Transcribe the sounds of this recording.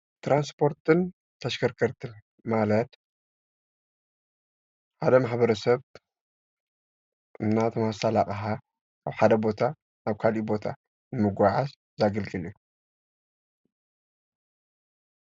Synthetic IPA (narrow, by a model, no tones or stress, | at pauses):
t̪ɾanspʰo̞ɾt̪ɨn | t̪ʰɐʃkʰɐɾkʰɐɾt̪ʰɨn | malɐt̪ | ħad̪ɐmaħbɐɾɐsɐβ | ʔɨmnːat̪ʰɐmasalakʼɐħa | kʰaβħad̪ɐbo̞t̪ʰa | naβkʰalibo̞t̪ʰa | nɨmɨɡʷaʕaz | zaɡɐlɡɨlju